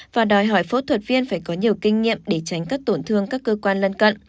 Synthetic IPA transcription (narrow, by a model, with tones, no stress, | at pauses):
vaː˨˩ɗɔ˨˩jɦɔ˧˩jfo̰˧˥t̪ʰwə˨˩t̚vi˧ənfaː˧˩jkɔ˨˦ɲi˨˩əwkï˧ŋ̟ŋḭ˧˨əmɗe˧˩t͡ɕa˨˦ŋ̟kaː˦˥k̚t̪o˧˩nt̪ʰɨ˧əŋkaː˦˥kːəː˧kwaː˧nlə˧nkə̰˧˨nʔ